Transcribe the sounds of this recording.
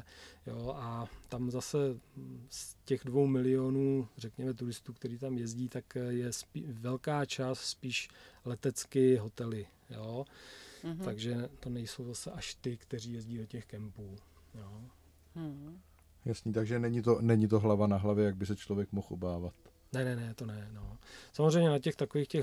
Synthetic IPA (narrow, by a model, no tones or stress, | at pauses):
joʔat̪amzasɛscɛɣdvo̞wmɪlɪonuːrɛkɲɛmɛt̪̬uɾɪst̪uːkt̪ɛɾiːt̪amjɛzɟiːt̪akjɛspivɛlkaːt͡ʃasːpiːʃlɛt̪ɛt͡skɪɦo̞t̪ɛlɪ | joː | aɡʒɛt̪o̞nɛjso̞wzasɛʔaʃt̪ɪkt̪ɛriːjɛzɟiːdocɛxkɛmpuː | joː | jasnit̪aɡʒɛnɛɲɪt̪o̞nɛɲɪt̪̬o̞ɦlavanaɦlavjɛjaɡ̚bɪsɛt͡ʃlovjɛkmoxʔobaːvat̪ | nɛnɛnɛt̪o̞nɛno̞samozrɛjɲɛnacɛxt̪akoviːxcɛx